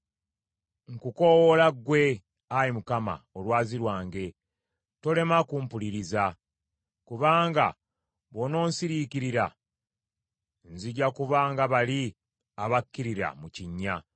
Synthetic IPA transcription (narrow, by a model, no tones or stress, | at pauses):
ŋkuko̞wolaɡwe̞ | ajimukama̰olwaːziɾwaːŋɡe̞ | to̞le̞makuːmpuliɾiza | kuβaːŋɡa̰ | βo̞no̞ːnsiɾikiɾiɾa | nziɟakuβaːŋɡaβali | aβakːiɾiɾa̰muciɲːa